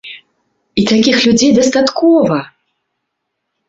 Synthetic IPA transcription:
it̪akʲixlʲud͡zʲejd̪ɐst̪at̪kɔvɐ

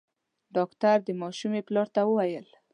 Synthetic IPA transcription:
ɖɑkt̪aɾd̪əmɑʃumeplɑɾt̪awəwajəl

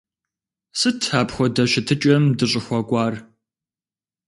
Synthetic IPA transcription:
sɨtʰːaːpxʷɔdɐʃɪtʰɨt͡ʃʼɐmdɨɕʼɪxʷɔkʷʼɑːr

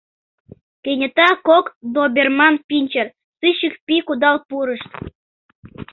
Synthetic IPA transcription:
kenʲə̆t̪ɑkokd̪obʲermɑnpinʲt͡ɕer | sɨɕikpikud̪ɑlpuɾəʃt̪

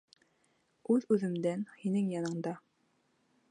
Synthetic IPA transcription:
ʉðʉðɘ̆md̪ænhinɘŋjɑnɤ̆ɴd̪ɑ

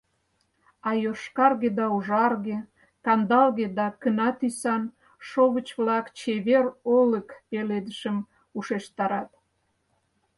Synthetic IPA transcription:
ɑjoʃkɑrɣed̪ɑuʒɑrɣe | kɑnd̪ɑlɣed̪ɑkənɑt̪ysɑn | ʃoβət͡ɕβlɑkt͡ɕeβeroləkpeled̪əʃəm | uʃeʃt̪ɑɾɑt̪

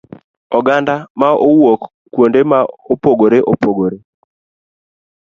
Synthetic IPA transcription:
ɔɡandamaowokː | wondemaopoɡoɾeʔopoɡoɾe

